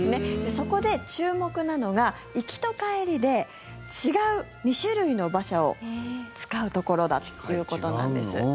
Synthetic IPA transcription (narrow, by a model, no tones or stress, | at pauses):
sɨne̞d̪eso̞ko̞d̪e̞t͡ɕɨːmo̞kɯ̟nano̞ɡa | ikʲi̥t̪o̞kaeɾʲid̪e̞ | t͡ɕiɡaɯ̟ | mʲiɕɨɾɯ̟ino̞baɕao̰t͡sɨ̥kaɯ̟t̪o̞ko̞ɾo̞d̪a̰t̪o̥jɯ̟ːko̞t̪o̞nã̰nd̪e̞̰sɨ̰